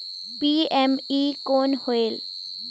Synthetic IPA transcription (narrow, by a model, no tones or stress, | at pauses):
piːɛmiːkoːnhoeːl